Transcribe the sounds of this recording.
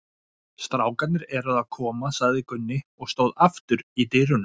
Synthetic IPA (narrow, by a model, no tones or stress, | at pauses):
st̪ɾaːwkat̪nɪɾɛɾaðaðkʰɔːmasaɣðɪkʏnːɪɔɣst̪owðaft̪ʏɾit̪ɪrʏn